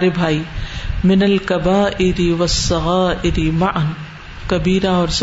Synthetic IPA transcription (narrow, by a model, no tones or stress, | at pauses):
ɾebʱaːiːmɪnɐlkɐbaːʔɪɾɪʋɐsːɐɣaːʔɪɾɪmaʔn | kɐbiːɾaɔːɾs